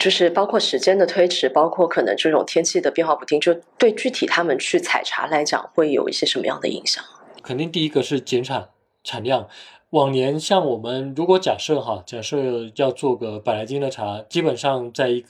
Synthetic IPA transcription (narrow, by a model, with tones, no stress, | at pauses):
t͡ɕjo˥˧ʊʂɻ̩˥˩pɑ˥ʊkʰwɔ˥˩ʂɻ̩˧˥t͡ɕjɛ˥nd̪ə˨t̪ʰwe˥ɪʈ͡ʂʰɻ̩˧˥pɑ˥ʊkʰwɔ˥˩kʰɤ˨˩nɤ̰˧˥ŋʈ͡ʂɤ˥˩ʈ͡ʂʊ˨˩ŋt̪ʰjɛ˥nt͡ɕʰi˥˩d̪ə˩pjɛ˥˧nxwɑ˥˧˩pu˥t̪ʰi˧˥ŋt͡ɕjo˥˧ʊt̪we˥˧ɪt͡ɕy˥˩t̪ʰi˨˩t̪ʰa˥mə˨nt͡ɕʰy˥˩t͡sʰa̰˨˩ɪʈ͡ʂʰa̰˧˥la˧˥ɪt͡ɕjɑ̰˨˩ŋxwe˥˩ɪjo̰˨˩ʊḭ˥˩ɕjɛ˥ʂə˧˥nmə̰˧jɑ̰˥˩ŋd̪ə̰˩ḭ˧˥ŋɕjɑ̰˨˩ŋkʰə˨˩nt̪i˥˧ŋt̪i˥˩i˥ɡə˧ʂɻ̩˥˩t͡ɕjɛ˧˥nʈ͡ʂʰa˨˩˦n | ʈ͡ʂʰa˨˩nljɑ˥˩ŋ | wɑ˨˩ŋnjɛ˧˥nɕjɑ˥˩ŋwɔ˨˩mə˦nɻu˧˥kwɔ˧˥t͡ɕja˨˩ʂɤ˥˩xa˧˩t͡ɕja˨˩ʂɤ˥˧jɑ˥˧ʊt͡swɔ˥˩ɡə˩pa˨˩ɪla˧˥ɪt͡ɕi˥ŋd̪ə˨ʈ͡ʂʰa˧˥t͡ɕi˥pə˨˩nʂɑ˥˧ŋt͡sa˥˩ɪi˧˥ɡ